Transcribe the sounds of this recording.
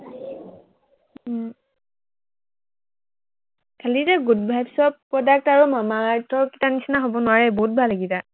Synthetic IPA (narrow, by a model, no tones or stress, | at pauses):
kʰalizɛɡutbʱajbsɔbpːɔdak̚taɹumamaːɹtɔɹki̥tanisinaɦobɔnʊwaɹɛbɔɦut̚bʱalːaɡita